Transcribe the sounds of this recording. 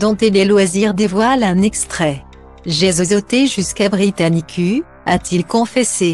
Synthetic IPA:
d̪ɔ̃t̪ilɛlwaziʁd̪evwalɛ̃nɛkst̪χɛ | ʒezozot̪eʒyskabʁit̪anikʲʰy | a̰t̪ilkɔ̃fɛse

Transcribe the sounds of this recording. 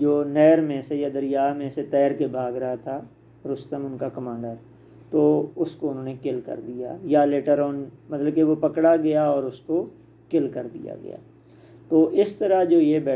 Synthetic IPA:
d͡ʒoːnɛːɾmẽsejad̪əɾɪjaːmẽset̪ɛːɾkebʱaːɡɾɐɦat̪ʰa | ɾʊst̪əmʊnkakɐmãːɳɖəɾ | t̪oːʊskoʊnɦõːnekɪlkɐ̰ɾd̪ija̰ːjaleːʈəɾɔːnmɐt̪ləb̚keʋopɐkɽaɡɐjaɔːɾʊsko | kɪlkɐɾd̪ḭja̰ɡɐ̰ja̰ː | t̪oːʔɪst̪əɾad͡ʒoːjebɛː

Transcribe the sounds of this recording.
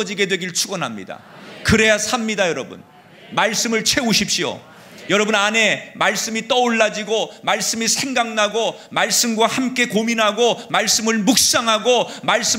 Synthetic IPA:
ʌd͡ʑiɡedwe̞ɡiɭt͡ɕʰuɡʌnɦamɲḭda̰ | kɯɾe̞jasʰamɲidajʌɾʌbṵn | maɭs͈ɯmɯɭt͡ɕʰwe̞uɕʰipɕ͈io̰ | jʌɾʌbunane̞maɭs͈ɯmit͈ʌoɭːad͡ʑiɡomaɭs͈ɯmisʰe̞ŋɡaŋnaɡo | maɭs͈ɯmɡwahamk͈e̞kominɦaɡomaɭs͈ɯmɯɭmuk̚s͈aŋɦaɡomaɭs͈ɯ

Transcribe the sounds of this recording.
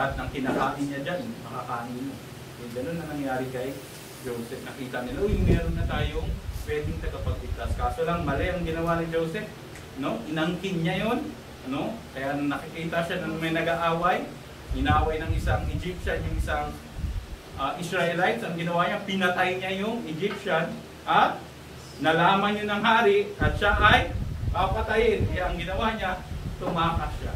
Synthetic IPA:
hat̪̚nɐŋkɪnakaːmɪnɲad͡ʒanjʊŋmɐŋakaːnɪnmo | jʊŋɡɐno̞nːɐŋnɐŋjaːɾɪkɐj | d͡ʒowsɛp̚nɐkiːt̪ɐnɪlaʔojʊŋmɛːɾonːɐt̪aːjoŋpwɛːd̪ɪŋt̪ɐɡɐpɐɡ̚lɪt̪askaːso̞lɐŋmɐlɛʔɐŋɡɪnɐwanɪd͡ʒowsɛp̚ | no̞ʔɪnɐŋkɪnɲajo̞n | ʔɐno̞kɐjanɐŋnɐkɪkiːt̪ɐʃanɐŋmɐjnɐɡaʔaːwɐj | ʔɪnaːwajnɐŋɪsaŋɪd͡ʒip̚ʃanjʊŋɪsaŋ | ʔaʔɪsɾaʔɛlajt̪sɐŋɡɪnɐwaːɲapɪnɐt̪ajɲajʊŋɪd͡ʒɪp̚ʃan | ʔɐt̪̚ | nɐlaːmɐnjonɐŋɦaːɾɪʔɐt̪̚ʃaʔɐjpapɐt̪ɐjɪnʔɐɛʔɐŋɡɪnɐwaɲat̪ʊmaːkaʃa̰

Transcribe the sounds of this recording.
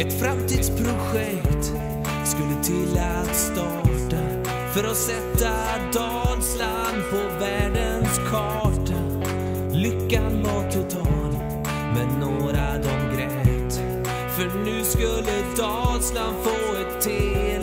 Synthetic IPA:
ɛt̪fɾamt̪ʰiːd̪spʰɾʊɧɛkt̪ | skɵlːət̪ʰɪlːat̪st̪ɑːʈa | fœɾɔsɛt̪ːa | d̪ɑlslanpʰɔvæːɖənskʰɑːʈa | lʏkːamɑkʊt̪ʰɑn | mɛnːoːɾad̪ɔmɡɾɛt̪ | fœɳʉ̟ːskɵlːəd̪ɑːlslanfoːɛt̪ʰːe

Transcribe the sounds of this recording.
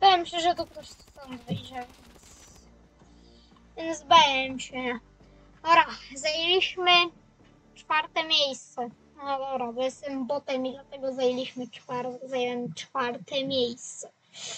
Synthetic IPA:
b̪ɛmɕɛʒɛt̪ukɾɔʃsɔnd̪vɛjʐɛvʲɛns | vʲɛnzbajɛmɕɛ | ɔɾazajelʲiɕmɘ | t͡ʂfaɾt̪ɛmʲjejst̪sɛ | ɔd̪ɔbɾabɔjɛst̪ɛmbɔt̪ɛmid̪lat̪ɛɡɔzajelʲiɕmɘt͡ʂfaɾt̪zajɛwɛmt͡ʂfaɾt̪ɛmʲjejst̪sɛ

